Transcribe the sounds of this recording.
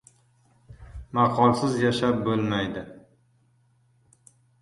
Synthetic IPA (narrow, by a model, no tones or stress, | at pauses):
mɑqʰɒlˠsɪzjaʃap̚bolmajd̪ɪ